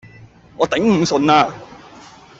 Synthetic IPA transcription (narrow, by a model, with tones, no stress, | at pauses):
ŋɔː˨˧t̪ɐ˨˥ŋm̩˨˧sɵ˨˧naː˧